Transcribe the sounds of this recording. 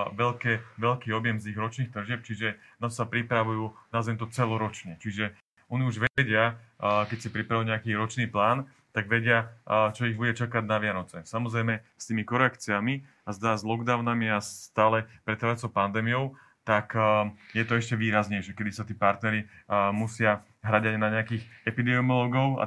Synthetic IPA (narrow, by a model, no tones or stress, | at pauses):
ʋɛʎkɛʋɛʎkiːɔbjɛmziɣɾɔt͡ʃniːxt̪r̩ʒɪɛp̚t͡ʃiʒɛ | nɔsapɾipɾaʋujuːnazɛnt̪ɔt͡sɛlɔɾɔt͡ʃɲɛt͡ʃiʒɛ | ɔniuʒʋɛɟɪakɛcsapɾipɾaʋuɲɛakiːɾɔt͡ʃniːplaːn | t̪aɡʋɛɟɪat͡ʃɔiɣbuɟɛt͡ʃakaɟnaʋɪanɔt͡sɛsamɔzɾɛjmɛst̪iːmikɔɾɛakt͡siami | azd̪aːzlˠɔɡd̪aʊnamiast̪aːlɛpɾɛt̪aʋat͡sɔʊpand̪ɛːmijɔʊ | t̪akjɛt̪ɔɛʃcɛʋiːɾazɲɛjʃɛkɛd̪isat̪iːpaɾt̪nɛɾimusɪa | ɦɾaɟaɲnaɲɛakiːxɛpid̪ɛmɔlɔɡɔʊa̰